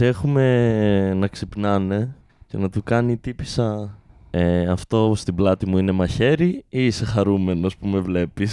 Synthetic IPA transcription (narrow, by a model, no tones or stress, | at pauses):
e̞xume̞nɐksipnɐne̞ | cenɐt̪ukɐnit̪ipisɐ | eɐft̪o̞st̪iblɐt̪imuine̞mɐçe̞ɾiise̞xɐɾume̞no̞spume̞vle̞pis